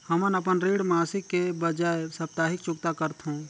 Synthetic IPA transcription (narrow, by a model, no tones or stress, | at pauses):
həmənəp̬ənɾiːɽmaːsɪkːebəd͡ʒaːesɐp̚t̪aːɦɪk̚t͡ʃʊkt̪akəɾt̪ʰɦõː